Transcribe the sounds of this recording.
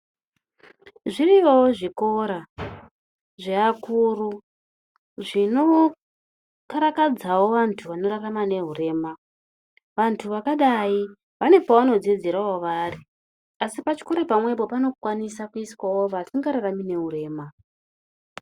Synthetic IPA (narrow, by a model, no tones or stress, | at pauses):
ʐirijoʐiko̞ɾa | ʐeakuːru | ʐino̞ | kaɾakad͡zawo̞ʋantʰuʋano̞raramane̞ɦure̞ːma | ʋantʰuʋakaɗai | ʋane̞poʋano̞d͡zed͡zeɾawoʋaːri | asipat͡ʃi̥ko̞ɾapamwe̞po̞pano̞kwanisakuiswawoʋasiŋɡaɾaramine̞ɦuɾe̞ːma